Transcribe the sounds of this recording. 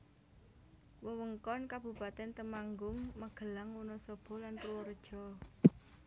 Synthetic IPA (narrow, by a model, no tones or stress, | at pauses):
wəwəŋkɔnkab̥ṳpat̪ɛnt̪əmaŋɡʊŋməɡ̥ə̤laŋwunɔsɔb̥ɔ̤lanpruwɔɾd̥ʒ̥ɔ̤